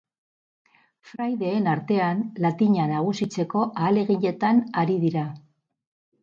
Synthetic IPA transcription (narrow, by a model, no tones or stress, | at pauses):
fɾajðe̞ːnaɾt̪e̞anlat̪iɲanaɣ̞usit͡se̞ko̞ʔaːle̞ɣiɲe̞t̪anaɾiðiɾa